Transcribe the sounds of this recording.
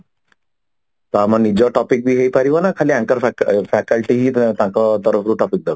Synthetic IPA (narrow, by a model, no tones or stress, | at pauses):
t̪ɔamanid͡ʒɔʈɔpik̚bʱiɦejpaɾibanakʰaliːãŋkəɾfɛkəlʈiɦiːt̪ãkɔt̪ɔɾəfɾuʈɔpik̚d̪aɡ